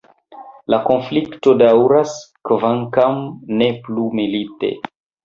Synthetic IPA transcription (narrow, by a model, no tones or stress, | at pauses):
lako̞nflikto̞dawɾaskvaŋkamneplumilite̞̰